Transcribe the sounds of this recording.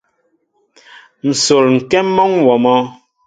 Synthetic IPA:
n̩˨so˨ɾŋ̩˨kɛ˦mː˦ɔ˦ŋwɔ˨mɔ˦

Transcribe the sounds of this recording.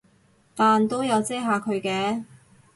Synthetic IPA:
t̪aː˨nt̪o˥wjɐ˨˧wt͡sɛː˥ɦaː˨˧kʰɵ˨˧ɥkɛː˧

